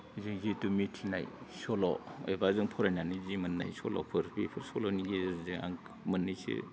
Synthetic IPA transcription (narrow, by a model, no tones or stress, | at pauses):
ziŋzitumitʰina̰jsɔlɔ̰ɔ̰jbazɯŋpʰɔɾajnanizimɯnːa̰jsɔlɔ̰pʰɯɾbipʰɯɾsɔlɔniɡiziŋa̰ŋ | mɯnːɯsḛ